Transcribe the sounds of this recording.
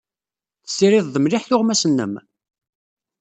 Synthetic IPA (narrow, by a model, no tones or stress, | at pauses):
θə̥sːiɾɪðˤðəmliħθʊʁmæsənːə̰m